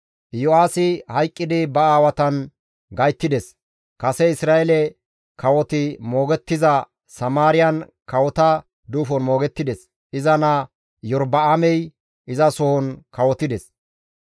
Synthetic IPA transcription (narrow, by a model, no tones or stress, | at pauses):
jɔaːsɪhɐjkʼːɪd̪ɪbɐaːwɐt̪ɐn | ɡɐjt̪ːɪd̪ɛs | kɐsɛɪsɾaːʔɛlɛ | kɐwɔt̪ɪmo̞ːɡɛt̪ːɪzɐ | sɐmaːɾɪjɐn | kɐwɔt̪ɐ | d̪uːfɔnmo̞ːɡɛt̪ːɪd̪ɛs | ʔɪzɐnɐ | jɔɾbɐamɛj | ɪzɐsɔhɔnkɐwɔt̪ːɪd̪ɛs